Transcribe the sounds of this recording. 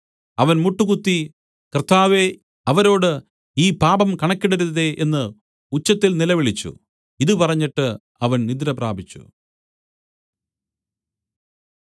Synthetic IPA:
ɐʋɐnmuʈːukut̪ːi | krt̪ʰːaːʋe | ɐʋɐɾo̞ːɽɨ | iːpaːbɐmkɐɳɐkːiɽɐɾunːɐðe̞ʔenːɨ | ut͡ɕːɐt̪ːilnilɐʋiɭit͡ɕːṵ | iðɨpɐrɐɲːiʈːɨ | ɐʋɐnnid̪ɾɐpraːbʱit͡ɕːṵ

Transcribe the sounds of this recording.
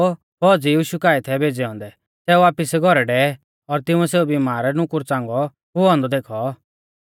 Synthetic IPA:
pɔːd͡zijiːʃukaːit̪ʰɛbʱeːd͡zɛɔ̃ːnd̪ɛ | sɛːuaːpɪsɛɡʱɔɾɛɖɛ | ɔɾt̪ɪũɛseːubimaːɾɛnʊkʊɾt͡sãːŋɡɔ | ɦuɔ̃ːnd̪ɔd̪eːkʰɔ

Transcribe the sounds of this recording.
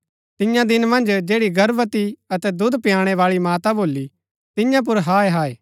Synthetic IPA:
t̪ɪjãd̪ɪnmɐ̃nd͡ʒd͡ʒeːɽiɡɐɾʋət̪iɐt̪ɛd̪ʊd̪pɪjaːɽ̃ɛʋaːɭimaːt̪aboːlːi | t̪ɪjãp̬ʊɾɦaːeɦaːeː

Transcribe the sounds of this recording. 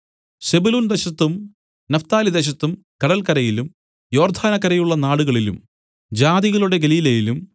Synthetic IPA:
se̞bulund̪eɕɐt̪ːum | nɐft̪aːlid̪e̞ɕ̬ɐt̪ːum | kɐɽɐlkɐɾɐjilum | jo̞ːrd̪ʱaːnɐkːɐɾɐjuɭːɐnaːɽuɣɐɭilṵm | d͡ʑaːðiɣɐɭuɽe̞ɡeliːlɐjilum

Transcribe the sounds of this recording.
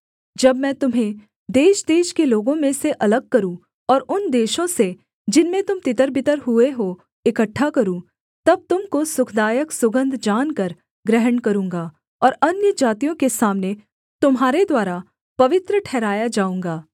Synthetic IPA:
d͡ʒɐbmɛ̃ːt̪ʊmɦẽ | d̪eːʃd̪eːʃkeloːɡõmẽseʔɐləɡ̚kɐɾũ | ɔːɾʊnd̪eːʃõse | d͡ʒɪnmẽt̪ʊmt̪ɪt̪əɾbɪt̪əɾɦueɦo | ɪkəʈʰːakɐɾũ | t̪ɐb̚t̪ʊmkosʊkʰd̪aːjəksʊɡə̃nd̪ʱd͡ʒaːnkɐɾ | ɡɾɛɦəɳkɐɾũːŋɡaː | ɔːɾɐnjəd͡ʒaːt̪ijõkesaːmne | t̪ʊmɦaːɾed̪waːɾa | pɐʋɪt̪ɾəʈʰɛːɾaːjad͡ʒaːũːŋɡaː

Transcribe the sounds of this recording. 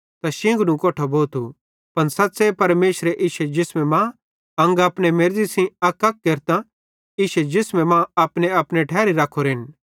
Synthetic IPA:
t̪aʃɪ̃ŋɡnũkoːʈʰoboːt̪ʰu | pɐnsɐt̪ːsepɐɾmeːʃɾeʔɪːʃɛd͡ʒɪsmɛ̃mã | ɐ̃ŋɡaːpnemeɾd͡ʒisĩɐkːɐk̚keːɾt̪ã | iːʃɛd͡ʒɪsmɛ̃mãɐpneɐpneʈʰɛːɾiɾaːkʰːoɾɪn

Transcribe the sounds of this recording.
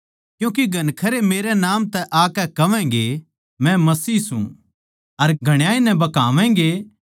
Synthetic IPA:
kjũːk̬iɡʱɐnkʰɐɾemeːɾɛnaːmt̪ɛʔaːkɛkɐʋɛ̃ŋɡe | mɛ̃mɐsiːsṵ̃ | ɐɾɡʱɐɽ̃jaːinɛ̃bɐkaːʋɛ̃ːɡe

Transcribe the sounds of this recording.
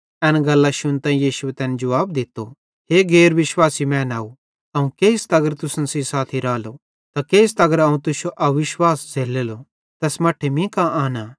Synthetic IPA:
ɛːnɡɐlːaʃʊnt̪ãːĩjiːʃʊet̪ɛːned͡ʒɐʋaːb̚d̪ɪt̪ːo | ɦeːɡeːɾʋɪʃwaːsimɛ̃ːnaːu | ɐũkeːst̪ɐɡəɾt̪ʊsənsisaːt̪ʰiɾaːlo | t̪akeːst̪ɐɡəɾɐũt̪ʊsoʔɐʋɪʃwaːsd͡zʱeːleːlo | t̪ɛːsmɐʈʰemĩkãʔaːna

